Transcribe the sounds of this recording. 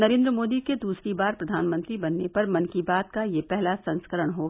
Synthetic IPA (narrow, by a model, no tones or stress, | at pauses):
nɐɾẽːnd̪ɾəmoːd̪iked̪uːsɾibaːɾpɾɐd̪ʱaːnmə̃nt̪ɾibɐnːepɐɾmɐ̃nkibaːt̪kajepɛɦlasɐ̃nskəɾəɽ̃ɦoː